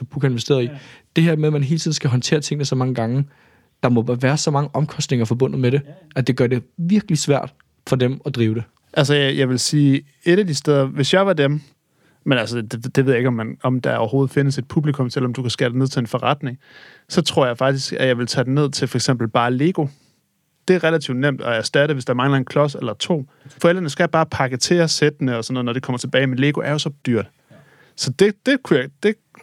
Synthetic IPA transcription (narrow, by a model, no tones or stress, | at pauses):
b̥ukʰæe̝nʋesd̥e̝̰ːɐðˠid̥e̝ɦeɐ̰meðˠmænɦe̝ːlt͡sʰḭðˠn̩sɡ̥æɦɒ̽nt͡sʰe̝̰ːɐt͡sʰe̝ŋ̰nəsɒ̽mɑ̈ŋəɡ̥ɑ̈ŋə | d̥ɑ̈mɒ̽ʋæːɐsɒ̽mɑ̈ŋəʔɒ̽mkʰɒ̽sd̥ne̝ŋɐfɒ̽bɔ̽n̰ð̩ˠmeɾe̝ | ʔæd̥e̝ɡ̥ɶɐde̝ʋiɐɡ̥əlisʋæɐ̰d̥ | fɒ̽demɒd̥ʁiːʊɾ̥e̝ | ʔælsəjjɑ̈ɪʋe̝lsiː | e̝ɾæd̥isd̥eð̞ˠɐʋe̝sjɑ̈ɪʋɑ̈dem | menælsədd̥eʋeð̰ˠjeɡɒmːænɒ̽md̥ɑ̈ɒ̰ʊɐho̝ːð̞̩ˠfe̝nəse̝d̥̚pʰub̥likʰɔ̽msel̰ɒ̽md̥ukʰæsɡ̥ḛːd̥eneð̰ˠt͡sʰe̝enfɒʁɑd̥ne̝ŋ | sɒ̽t͡sʰʁo̝ɐ̰jɑ̈ɪfɑ̈ɡ̥d̥isɡ̥æjɑ̈ɪʋe̝lt͡sʰæd̥ene̝ð̰ˠt͡sʰe̝fɒ̽eɡ̥sem̰b̥l̩b̥ɑ̈ːle̝ːɡ̥o̝ | d̥e̝æɐʁelæt͡sʰiʊd̥nem̰d̥ɒæɐsd̥æɾəʋe̝sd̥ɑ̈æɐmɑ̈ŋəlæn̩kʰlɒ̽selɐt͡sʰo̝̰ː | fɒ̽eld̥ʁɐnəsɡ̥æb̥ɑ̈ːpʰɑ̈ɡ̥ət͡sʰe̝ɐsed̥ənəɒ̽sɒ̽nːoːð̩ˠnɒde̝kʰɒ̽m̰ɐt͡sʰe̝b̥ɛːɪimenle̝ːɡ̥o̝ʔæɐjo̝sɒ̽d̥yɐ̰d̥ | sɒ̽d̥e̝d̥e̝kʰujɑɪd̥e̝